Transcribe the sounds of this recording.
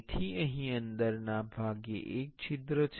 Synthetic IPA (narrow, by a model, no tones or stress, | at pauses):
t̪ʰiə̃ɦĩə̃nd̪əɾnabʱaɡḛʔek̚t͡ɕʰɪt̪ɾət͡ʃʰ